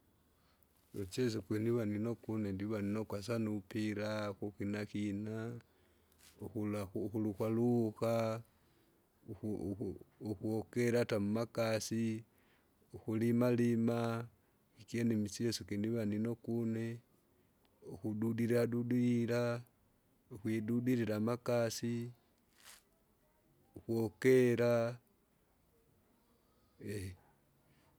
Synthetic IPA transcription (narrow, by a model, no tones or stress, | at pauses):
ot͡ʃes̬ukeniβaninokunendiβaninokwas̬anupiɾaxuxinaxina | oxulaxuluxwaluxa | xuokeɾatamumakasi | oxulimalima | ikjenimisiesukiniβanino̞kune | oxududiɾiɾadudiiɾa | oxwidudiɾiɾamakasi | oxwokeɾa | e